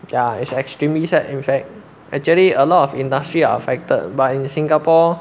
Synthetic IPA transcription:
jaitsɛkstɹĩmlisɛtĩnfɛk̚ | ɛk̚t͡ʃuəliəlɔtɔfĩndastɹia̰ə̰fɛk̚tə̰t̚batĩnsĩŋɡapɔ

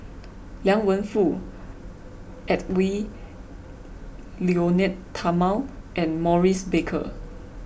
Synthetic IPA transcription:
ljãŋwə̃nfu | ɛt̚wi | lionɛtʰamalʔɛ̃nmɔɹisbekʰə̰

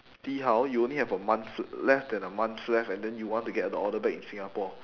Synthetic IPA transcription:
siɦawjuõnlihɛvəmãnlɛfdɛ̃nəmãnθlɛfɛ̃ndɛ̃njuwɔ̃ntuɡɛtədəɔdəbɛkĩnsĩŋapɔ

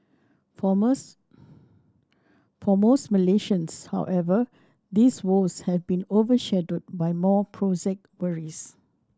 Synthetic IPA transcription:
fɔmosməleʃə̃nsha̰wʔɛvə | d̪iswoshɛvbĩnovəʃɛdəd̚bajmɔpʰɹɔd͡ʒɛk̚twəɹis

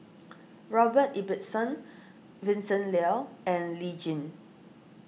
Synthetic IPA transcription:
ɹɔbətibətsə̃n | vĩnsə̃nlɛlɛ̃nlid͡ʒĩn

